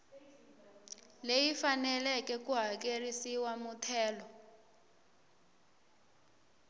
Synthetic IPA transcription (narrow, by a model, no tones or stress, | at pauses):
lejifanɛlɛkɛkuɦak̬erisiwamutʰɛːlɔ